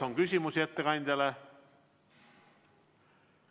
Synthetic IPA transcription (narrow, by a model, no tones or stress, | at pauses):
oŋkysʲimusiet̪ːekɑjnd̪æle